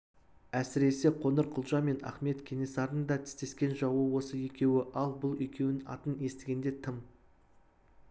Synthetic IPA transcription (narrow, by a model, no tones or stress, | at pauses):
æsɪɾe̞se̞qʰo̞nəɾqʰʊlˠʒɑme̞nɑ̰χme̞t̪kʲʰe̞ne̞sɑɾənd̪ɑt̪ʰɪ̥st̪e̞skʲe̞nʒɑwəwo̞səje̞kʲe̞wɪʔɑlˠbʊlˠʏjkʲe̞w̪ɑ̰t̪əne̞st̪ɪɡʲe̞nd̪e̞t̪ʰəm